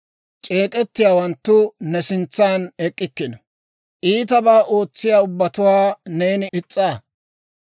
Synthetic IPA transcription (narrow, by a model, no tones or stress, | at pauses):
t͡ʃʼe̞ːkʼɛt̪ːɪjaːwɐnt̪ːʊnɛsɪnt͡sːaːnɛkʼːɪkːɪnɐ | ʔiːt̪ɐbaːʔo̞ːt͡sːɪjaːʊbːɐt̪ʊwaːneːnɪʔɪt͡sʼːaː